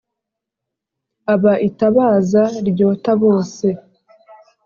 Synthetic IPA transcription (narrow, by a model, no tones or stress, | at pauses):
aβaʔitaβaːzaɾɟo̞ːtaβo̞ːse̞